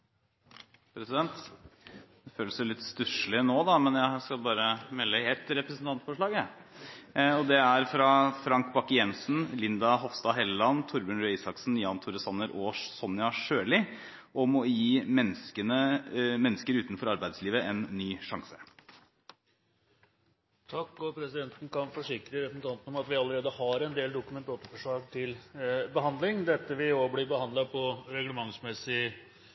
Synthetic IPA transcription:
pʰɾɛsɪd̪ɛnt̪ | d̪ɛføːləsʊlɪt̪ːst̪ʉʂlɪnoːd̪ɑmɛnjæskɑlbɑːɾəmɛlːəɛt̪ɾɛpɾəsn̩t̪ʰɑnt̪fɔʂɭɑːɡɑ | ɔd̪ɛæɾfɾɑfɾɑŋkbɑkːɪjɛnsn̩lɪnd̪ɑɦɔfst̪ɑɦɛlːɑnt̪ʰʊɾbʉnɾɪsɑksnjɑːnt̪ʰʊɾəsɑnːəɾʔoːʂsɔnɪɑʂøːlɪ | ʔɔmɔjiːmɛnːskənəmɛnːəskəɾʉːt̪nfɔɾɑɾbæɪd̪sliːʋəʔɛnːyːʂɑŋsə̥ | t̪ʰɑkːɔpʰɾɛsɪd̪ɛnt̪nkʰɑnfɔʂɪkɾəɾɛsn̩t̪ʰɑnt̪ən̩ɔmɑt̪ʋɪɑlːəɾeːd̪əhɑɾɛnd̪eːld̪ʊkʉmɛnt̪oːt̪əɾfɔʂɭɑːɡ̚t̪ʰɪlbəɦɑnd̪lɪŋd̪ɛt̪ːəʋɪoblɪbəhɑnd̪lɑpʰɔɾɛɡləmɑŋsmɛsɪ

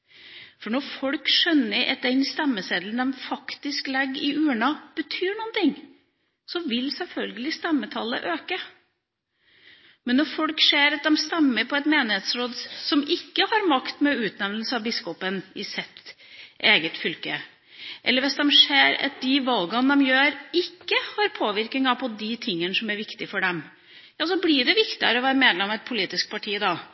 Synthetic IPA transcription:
fɔɳɔɾfɔɽkʂœnːəɾɛ̰t̪̚d̪ɛnst̪ɛmːəseːd̪ln̩d̪ɛmfɑkt̪ɪsklɛɡːɪʔʉːəɳɑb̥ət̪ʰyːɳuːnt̪ʰɪŋː | sɔʋɪlsɛlfœlɡəlɪst̪ɛmːət̪ʰɑlːə̰ʔøːkə | mɛnːɔɾfɔlkʂeːɾɑt̪̚d̪ɛmst̪ɛmːəɾpʰɔɛt̪meːnɪheːt̪sɾoːd̪sɔmʔɪkːəhɑɾmɑkt̪mɛʉːt̪nɛʋnəl̩səɑʋbɪskɔpənɪsɛt̪ʔeːɡət̪fʏlkə | ʔɛ̰lːəɾʋɪsd̪ɛmʂeːɾɑ̰t̪̚d̪ɪʋɑlɡɑnd̪ɛmjøːɾɪkːəhɑɾpʰoːʋɪɾkɪŋɑpʰɔd̪ɪt̪ʰɪŋːənəsɔmæɾʋɪkt̪ɪfɔɖɛm | jɑːsɔblɪɖɛʋɪkt̪ɪə̰ɾəɔʋæːɾəmeːd̪lɛmɑʋɛt̪̚pʰʊliːt̪ɪsk̚pʰɑʈʰiːd̪ɑ

